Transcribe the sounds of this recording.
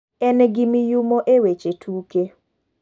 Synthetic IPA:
ɛnɡɪmɪjumoʔewet͡ʃetʰuke

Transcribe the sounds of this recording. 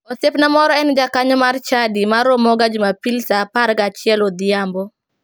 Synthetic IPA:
ɔsepnamɔɾɔɛnd͡ʒakaɲɔmart͡ʃadimaɾomɔɡad͡ʒumapilsapaɾɡat͡ʃɪɛlod̪ɪjambɔ

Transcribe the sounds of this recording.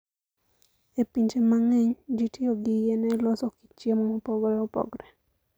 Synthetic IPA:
epiɲt͡ʃemaŋeɲd͡ʒitioɡɪjenɛlɔsɔki̥t͡ʃjemɔopɔɡɾɛopɔ̰ɡɾɛ

